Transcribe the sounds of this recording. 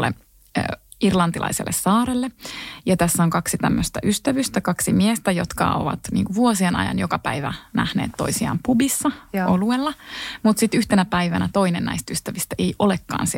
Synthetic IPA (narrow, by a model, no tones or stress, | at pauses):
lḛː | irlɑnt̪ilʔɑ̰iselːʔessɑːɾelːejɑt̪æsːæoŋkɑksit̪æmːøst̪æʔyst̪æʋyst̪ækɑksimiest̪æjot̪kɑ̰o̰ʋɑ̰t̪nḭːŋkuʋuosienɑ̰jɑ̰njokɑpæiʋæ̰næhnḛːt̪to̞̰isiɑ̰ːmpubisːɑoluelːɑmut̪sit̪yht̪enæpæiʋænæt̪oinenæ̰ist̪yst̪æʋist̪æejʔolekːɑ̰ːnsi